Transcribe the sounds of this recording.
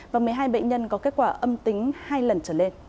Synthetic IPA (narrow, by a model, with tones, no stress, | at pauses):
vaː˨˩mɨ˨˩əjɦaː˧jɓə̰˧˨ŋ̟ɲə˧nkɔ˨˦ke˦˥t̚kwaː˧˩ʔə˧mt̪ï˨˦ŋ̟haː˧jlə˨˩nt͡ɕəː˧˩ne˧n